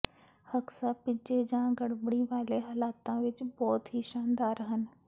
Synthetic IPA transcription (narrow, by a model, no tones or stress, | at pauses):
hɐksapɪd͡ʒed͡ʑãːɡɐɽbəɽiʋaːleɦɐlaːt̪ãʋɪt͡ɕbɔːt̪ɦiʃaːnd̪aːɾɦənɪ̆